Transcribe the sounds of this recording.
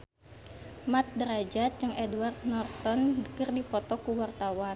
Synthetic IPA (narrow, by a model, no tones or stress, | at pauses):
mat̪̚dəɾad͡ʒat̪̚d͡ʒɨŋʔɛduart̪̚nɔrt̪ɔndəkərdipɔt̪ɔkuwart̪awa